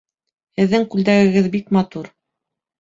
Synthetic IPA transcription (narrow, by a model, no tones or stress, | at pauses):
hɘ̆ðːɘŋkʉld̪æɡɘ̆ɡɘðbikmɑt̪uɾ